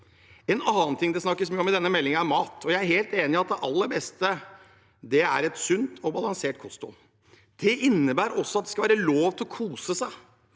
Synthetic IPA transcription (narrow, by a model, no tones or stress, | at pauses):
ɛnɑːnt̪ʰɪŋd̪ɛsnɑkːəsmyːɔmɪd̪ɛnːəmɛlːɪŋəæɾmɑːt̪ɔjæɪæɾheːlt̪eːnɪɑt̪̚d̪ɛʔɑlːəɾbɛst̪ə | d̪ɛæɾɛt̪sʉnt̪ʰɔbɑlɑŋseːʈkʰɔst̪ʊ̰ | d̪̥ɛʔɪnːəbæːɾɔsːɔɑt̪̚d̪ɛskɑʋæːɾəloːʋt̪ʰɪlɔkʰuːsəsæɪ